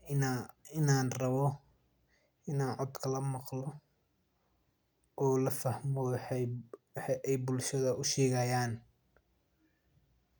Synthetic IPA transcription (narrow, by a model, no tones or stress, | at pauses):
ɪnaːnrɐβɔ | ɪnaːnʕɔd̪kʰɐlɐmɑqlɔ | ʔɔːlɐfɐhmɔwħwħɑʔɛjbʊlʃɐðɐʔʊʃɛːɣɐjaːn